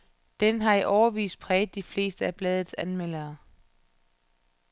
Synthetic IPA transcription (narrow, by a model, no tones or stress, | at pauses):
d̥enɦɑ̈iʔɒʊɐʋḭːs̚pʰʁɛːð̩ˠd̥ifle̝̰ːsd̥əæb̥lɛːð̞ˠð̩ˠsænmel̰ɐː